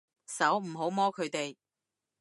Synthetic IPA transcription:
sɐ˨˥wm̩˨˩ɦo˨˥wmɔː˥kʰɵ˨˧ɥt̪e˨j

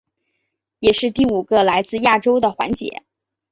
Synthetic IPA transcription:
jɛ˨˩ʂɻ̩˥˧t̪i˥˩u˨˩ɡə˧la˧˥ɪt͡sɹ̩˥˧ja˥˩ʈ͡ʂo˥ʊd̪ə˨xwa̰˧˥nt͡ɕjɛ̰˧˥˦

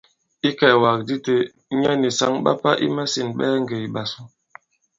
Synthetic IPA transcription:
i˦kɛ˨wa˨k̚di˦te˨˦ | ɲa˦ni˨sa˦ŋɓa̰˦pa˦ʔḭ˦ma˦si˨nɓɛː˦ŋɡe˨i˨ɓa˨su˦

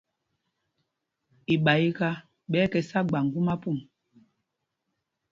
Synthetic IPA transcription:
i˨ɓa˨i˦ka˦ | ɓɛ˨˦kɛ˨sa˦ɡ͡ba˨ŋɡu˦ma˦pu˦˨m

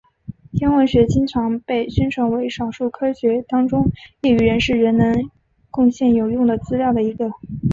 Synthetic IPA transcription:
t̪ʰjɛ˥nwə˧˥nɕɥɛ˧˥t͡ɕi˥ŋʈ͡ʂʰɑ˧˥ŋpe˥˩ɪɕɥɛ˥nʈ͡ʂʰɤ˧˥ŋwe˧˥ɪʂɑ˨˩ʊʂu˥˩kʰɤ˥ɕɥɛ˧˥t̪ɑ˥ŋʈ͡ʂʊ˥ŋjɛ˥˩y˨˩ɻə˧˥nʂɻ̩˥˩ɻə˧˥nnə˧˥n | kʊ˥˧ŋɕjɛ˥˩njo˨˩ʊjʊ˥˩ŋd̪ə˩t͡sɹ̩˥ljɑ˥˩ʊd̪ə˩i˧˥ɡə˧

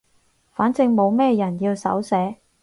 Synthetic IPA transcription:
faː˨˥nt͡sɪ˧ŋmo˨˧wmɛː˥˧jɐ˨˩njiː˧wsɐ̰˨˥wsɛː˨˥

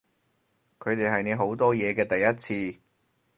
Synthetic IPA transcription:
kʰɵ˨˧ɥt̪e˨jɦɐ˨jne˨˧ɦo˨˥wt̪ɔː˥jɛː˨˧kɛː˧t̪ɐ˨jːɐ˥t̚t͡sʰiː˧

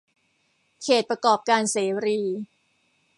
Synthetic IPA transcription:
kʰeː˨˩t̪̚pɾa˧kɔː˨˩p̚kaː˧nseː˩˦ɾiː˧

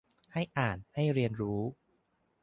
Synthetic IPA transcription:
ha˥˩jʔaː˨˩nha˥˩jɾi˧ənɾuː˦˥

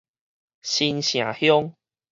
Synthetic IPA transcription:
ɕi˧nɕj̃ã̰˨˩hjɔ˦ŋ

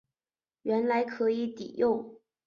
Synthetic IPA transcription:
ɥɛ˧˥nla˧˥ɪkʰɤ˧˥i˧˥t̪ḭ˨˩jo˥˩ʊ

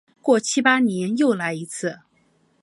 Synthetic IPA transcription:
kwɔ˥˩t͡ɕʰi˥pa˥njɛ˧˥njo˥˩ʊla˧˥ɪi˧˥t͡sʰɹ̩˥˩

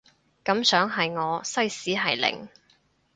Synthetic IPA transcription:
kɐ˨˥msœː˨˥ŋɦɐ˨jŋɔː˨˧sɐ˥jsiː˨˥ɦɐ˨jlɪ̰˨˩ŋ

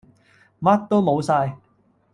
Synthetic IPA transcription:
mɐ˥t̚t̪ːo˥wmo˨˧wsaː˧j

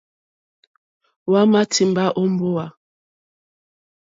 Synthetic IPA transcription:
wa˦ma˦ti˨m˨ba˦ʔɔ˦m̩˦bo˦a˨

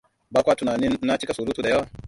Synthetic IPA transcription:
baː˦kʷa˦tu˨naː˨ni˦nːa˦t͡ʃi˦ka˨su˨ɾu˦tu˨da˨ja˦wa˨

